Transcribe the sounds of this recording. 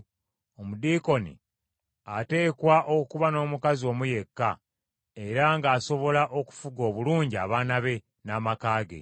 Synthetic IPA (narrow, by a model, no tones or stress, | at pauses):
o̞mudiːko̞nḭ | ate̞ːkwaʔokuβano̞ːmukazio̞ːmuje̞kːa | e̞ɾaŋɡaːso̞βo̞laʔo̞ku̥fuɡo̞ːβuluːɲɟia̰ːβaːnaβe̞ | naːmakaːɡe̞̰